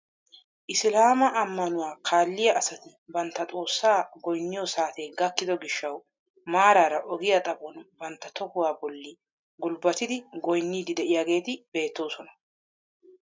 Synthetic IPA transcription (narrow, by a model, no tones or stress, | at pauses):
ʔɪslaːmɐʔɐmːɐnʊwaːkʰaːlːɪjɐʔɐsɐt̪ɪbɐnt̪ːɐt̪ʼo̞ːsːaːɡɔjnːɪjɔsaːt̪eːɡɐkːɪd̪ɔɡɪʃːɐw | maːɾaːɾɐʔɔɡɪjat̪ʼɐbɔnbɐnt̪ːɐt̪ɔkʊwaːbɔlːɪ | ɡʊlbɐt̪ɪd̪ɪɡɔjnːiːd̪ɪd̪ɛʔɪjaːɡe̞ːt̪ɪb̥e̞ːt̪ːo̞ːsɔnɐ̥